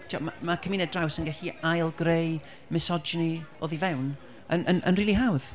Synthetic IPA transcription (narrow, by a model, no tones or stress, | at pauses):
tʰawmamakʰəmiːnɛdrawsənɡɛɬiajlˠɡrej | mɪsɔd͡ʒənio̰ːðivɛwn | ənʔənʔə̰nriːlˠiɦawð̥